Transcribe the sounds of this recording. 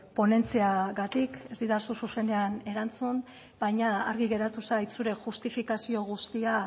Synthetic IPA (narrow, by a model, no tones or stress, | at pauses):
po̞ne̞nt͡seaɣat̪ike̞zd̪iðasususe̞ne̞ane̞ɾant͡sun | bajɲaːɾɣiɣe̞ɾat̪usaj̪suɾe̞xust̪ifikasio̞ɣ̞ust̪ia